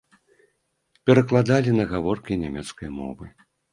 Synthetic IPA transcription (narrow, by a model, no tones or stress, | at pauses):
pʲɛɾɐklˠad̪alʲinɐɣavɔrkʲinʲamʲɛt̪skɐjmɔ̰vɨ